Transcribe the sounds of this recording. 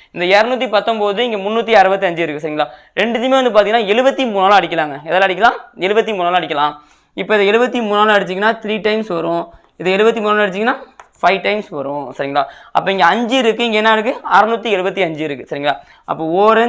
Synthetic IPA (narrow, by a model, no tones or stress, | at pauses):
ɪnd̪ɐɛɾɐnuːt̪ːipɐt̪ːɔ̃mpoːðɯɪŋɡemʊnːuːt̪ːiɐɾɯbɐt̪̬ːiɐɲd͡ʒɯɪɾɯkːɯsɐɾɪŋɡɐɭaː | ɾɛɳɖɯt̪ːɪmeːʋɐnd̪ɯpaːɾt̪ɪiŋɐnaːɛɻɯbɐt̪ːimuːnːaːlãɐɽɪk̬ʲːɐlaːŋɡɐɛðɐːlaːɐɽɪkʲːɐlãːɛɭɯbɐt̪ːimuːnːaːlãːɐɽɪkːɐlãː | ɪpːoːɪðɐɛɻɯbɐt̪ːimuːnːaːlãɛɽɯt͡ʃːɪŋɡɐnːaːt̪ɾiːʈɐɪmsʋɐɾʊ̃ | ɪðɐɛlɯbɐt̪ːimuːnːalãɛɽt͡ʃːɪŋɡɐnːaːfɐɪʈɐɪmsʋɐɾʊ̃sɐɾɪŋɡɐɭa̰ːɐ̰pːoɪŋɡɐɐɲd͡ʒɯɪɾɯkːɯɪŋɡɐɛnːɐɪɽɯk̬ːɯaːɾɐnuːt̪ːiɛɻɯbɐt̪ːiɐɲd͡ʒɯɪɾɯkːɯsɐɾɪŋɡɐɭa̰ː | ʔɐ̰pːoːoːɾɛ